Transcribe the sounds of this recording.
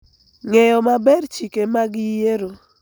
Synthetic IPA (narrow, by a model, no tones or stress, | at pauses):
ŋɛjɔmabɛɾt͡ʃikemaɡɪjeɾo